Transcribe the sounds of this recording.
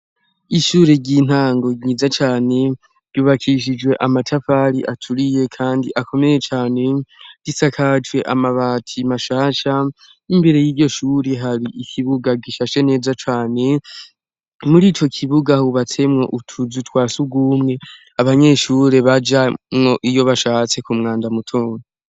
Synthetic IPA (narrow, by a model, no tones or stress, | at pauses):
iʃuːɾeɟiːn̥aːŋɡo̞ɲizat͡ʃaːne̞ | ɾɟuːβakʰiʃ̬id͡ʒwe̞ʔamatʰafaɾiʔatʰuɾije̞kʰaːndiʔakʰo̞me̞je̞t͡ʃaːne̞d̥isakʰat͡ʃwe̞ʔa̰maβaːtʰimaʃaːʃa | imbe̞ɾe̞jiːɾɟo̞ʃuːɾeɦaɾiʔikʰiβuɡaɡiʃaːʃe̞ne̞ːzat͡ʃaːne̞ | muɾiːt͡ʃo̞kʰiβuɡahuβate̞mŋo̞̰ʔutʰuzutwaːsuɡuːmŋe̞ | aβaɲe̞ːʃuːɾe̞βad͡ʒamŋo̞ʔijo̞βaʃaːt͡se̞kumŋaːndamutʰoːno